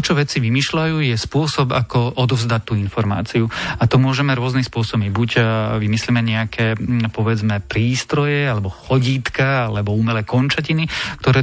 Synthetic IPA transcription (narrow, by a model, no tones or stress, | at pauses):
t͡ʃɔʋɛt͡siʋimiːʃlajuːjɛspʊɔsɔba̰kɔʔɔd̪ɔvzd̪at̪ːuːinfɔɾma̰ːt͡siuat̪ɔmʊɔʒɛmɛɾʊɔznispʊɔsɔbmibucʋimislimɛɲɛakʰɛːpɔʋɛd͡zmɛpɾiːst̪ɾɔjɛalɛbɔxɔɟiːt̪kaalɛbɔuːmɛlɛkɔnt͡ʃacinikt̪ɔɾɛː